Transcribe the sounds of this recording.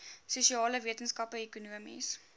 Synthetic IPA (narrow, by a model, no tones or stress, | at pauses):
suʃiɑːləviətənskɐpəekunuəmḭs